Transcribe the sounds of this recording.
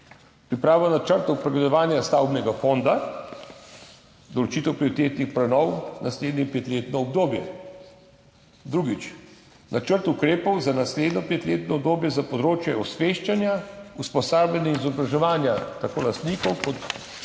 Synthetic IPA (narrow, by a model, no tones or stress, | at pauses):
pɾipɾaːʋɔnat͡ʃəɾt̪ɔwpɾɛɡlɛd̪ɔʋaːnjast̪awbnɛɡafond̪a | d̪ɔlɔt͡ʃiːt̪ɛwpɾiɔɾit̪eːt̪nixpɾɛnɔwnasleːd̪nipeːt̪leːt̪nɔɔbd̪oːbjɛ | d̪ɾuːɡit͡ʃ | nʔat͡ʃəɾt̪ukɾeːpɔwzanasleːd̪nɔpeːt̪leːt̪nɔɔb̚d̪oːbjɛzapɔd̪ɾoːt͡ʃjɛɔsʋeːʃt͡ʃanjauspɔsaːblanjɛnizɔbɾaʒɛʋaːnjat̪akoːlast̪niːkɔwkɔt̪